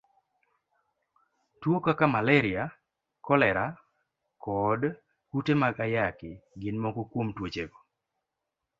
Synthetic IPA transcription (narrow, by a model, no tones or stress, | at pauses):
twokakamalɛɾɪa | kɔlɛɾa | kɔd | kutemaɡajakɪɡɪnmɔɡokwomtwot͡ʃeɡo